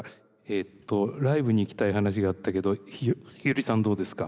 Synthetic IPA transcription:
eːt̪ːo̞ɾaibɯ̟ɲ̟iːkʲi̥t̪aiɦanaɕ̬iɡaːt̪ːake̞d̪o̞ççiɯɾʲisãnd̪o̞ːd̪e̞sɨ̥ka

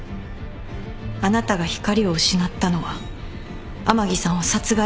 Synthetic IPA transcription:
anat̪aɡaçi̥kaɾʲio̞ɯ̟ɕinat̪ːano̞βa | amaɡʲisãɰ̃βasat͡sɨɡa

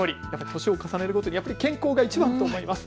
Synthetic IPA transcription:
oɾʲijapːaɾʲit̪o̞ɕio̞kasane̞ɾɯ̟kot̪o̞ɲijapːaɾʲikẽ̞ŋko̞ːɡait͡ɕibãnt̪o̞ːmo̞imasɨ̥

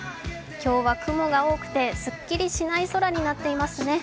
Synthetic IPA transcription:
kʲo̞ːβakɯ̟mo̞ɡao̞ːkɯ̟̥t̪e̞sɨkʲːiɾʲiɕinaiso̞ɾaɲ̟inat̪ːe̞imasɨne̞

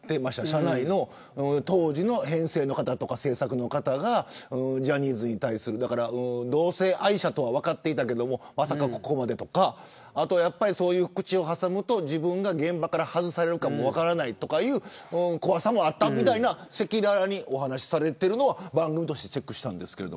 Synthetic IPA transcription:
d̪̥e̞maɕi̥t̪aɕanaino̞ | ɯ̃t̪o̞ːʑino̞hẽ̞ɰ̃se̞ːno̞kat̪at̪o̞kase̞ːsakɯ̟no̞kat̪aɡaɯ̃d͡ʑaɲ̟iːzɨɲ̟it̪aisɨɾɯ̟d̪akaɾaɯ̃d̪o̞ːse̞ːʔaiɕat̪o̞βaβakat̪ːe̞it̪ake̞d̪o̞mo̞masakako̞ko̞mad̪e̞t̪o̞kaː | t̪o̞japːaɾʲiso̞ːjɯ̟ːkɯ̟̥t͡ɕio̞ɦasamɯ̟t̪o̞ʑibɯ̟̃ŋɡaɡẽ̞mbakaɾahazɨsaɾe̞ɾɯ̟kamo̞βakaɾanait̪o̞kajɯ̟ːɯ̃ko̞βasamo̞at̪ːamʲit̪ainase̞kʲiɾaɾaɲ̟iʔo̞ɦanaɕi̥saɾe̞t̪eɾɯ̟no̞β̞abãŋɡɯ̟mʲit̪o̞ɕi̥t̪e̞̥t͡ɕe̞kːɯ̟ɕi̥t̪ãnd̪e̞sɨ̥ke̞ɾe̞d̪om

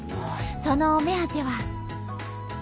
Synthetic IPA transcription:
sonome̞at̪e̞βa

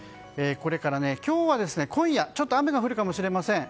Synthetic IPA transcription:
eːko̞ɾe̞kaɾane̞kʲo̞ːβad̪e̞sɨne̞kʰõ̞ɰ̃jat͡ɕo̞t̪ːoameɡaɸɯ̟ɾɯ̟kamo̞ɕiɾe̞masẽ̞ŋ

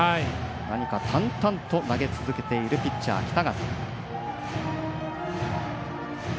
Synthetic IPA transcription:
ai | naɲ̟ikat̪ʰãnt̪ãnt̪o̞naɡe̞t͡sɨzɨke̞t̪e̞iɾɯ̟pʲitt͡ɕːa̰ːkʲi̥t̪aɡat̪a

